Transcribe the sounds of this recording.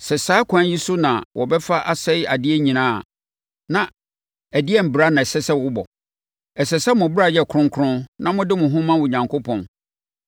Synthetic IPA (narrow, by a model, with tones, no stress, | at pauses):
sɛ˨saː˦kʷʰã˦nji˦sʊ˦nã̰˨wɔ˨bɛ˦fa˦ʔa˨sɛ˦ja˨dɪ˦ɛ˦ɲĩ˨nã̰ː˦˨ | nã˨ | æ˨dɪ˦ɛ˦m̩˨bɾa˦nã˨ɛ˨sɛ˦sɛ˦wʊ˦bɔ˨ | ɛ˨sɛ˨sɛ˦mʊ̃˨bɪ˦ɾa˨jɛ˦˨kʰɾʊ̃˦ŋ˦kʰʊ̃˦nnã˦mʊ̃˦dɪ˦mʊ̃˨ɦʊ̃˦mã˦wʊ̃˨ɲã˨ŋkʰo˦pʰɔ̃˨n